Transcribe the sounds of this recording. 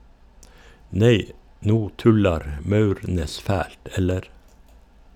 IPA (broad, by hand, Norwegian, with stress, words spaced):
ˈneɪ ˈnuː ˈtʉlɑɾ m ˈmɑʉɾˌneːs ˈfæːlt ˈɛləɾ